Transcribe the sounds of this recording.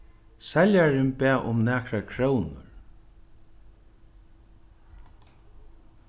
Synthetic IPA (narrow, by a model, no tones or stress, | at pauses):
sɛljaɾɪnpæːʔʊmnæːkɾakʰɾəːwnʊ̰ɹ